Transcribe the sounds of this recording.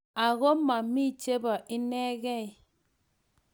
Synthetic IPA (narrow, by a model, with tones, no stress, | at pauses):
a˨ɣo˦ma˨mi˦˨t͡ʃe˦ba˨ʔi˦nɛ˦ɣɛ˦˨i˨